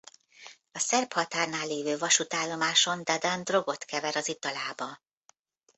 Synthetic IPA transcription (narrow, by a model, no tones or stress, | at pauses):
ɒsɛrphɒt̪aːrnaːlːeːvøːvɒʃut̪aːlːo̞maːʃo̞nd̪ad̪and̪ro̞ɡo̞t̪kɛvɛɾɒzit̪ɒlaːbɒ